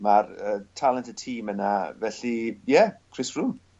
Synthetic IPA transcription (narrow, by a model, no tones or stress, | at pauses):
marətʰalˠəntəd̚tʰiːmənavɛɬijɛkʰr̥ɪsɹum